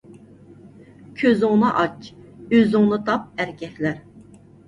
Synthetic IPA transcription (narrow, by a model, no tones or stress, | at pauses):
kʲʰøzʊŋnɨʔɑt͡ʃøzʊŋnɨt̪ʰɑp̚æɾkʲɛkʲlæɾ